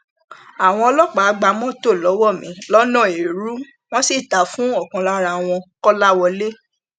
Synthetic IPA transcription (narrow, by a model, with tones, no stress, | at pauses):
a˨w̃ɔ̃˧ɔ˧lɔ˦k͡pa˨˦ɡ͡ba˧˦mɔ̃˦to˦˨lɔ˨˦wɔ˦˨mĩ˨˦lɔ˦nã˦˨e˨ɾu˦ | w̃ɔ̃˦si˦˨ta˨fũ˦ɔ˦˨kɔ̃˧la˦ɾa˧w̃ɔ̃˧kɔ˦la˦wɔ˧le˦